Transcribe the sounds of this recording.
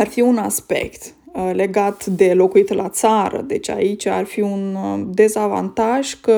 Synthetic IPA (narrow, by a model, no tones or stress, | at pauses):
arfiunaspe̞̰kt̪ | le̞ɡat̪d̪e̞lo̞kuit̪lat̪saɾə̰d̪e̞t͡ʃʲa̰it͡ʃʲarfiund̪e̞zava̰nt̪aʒ̥kə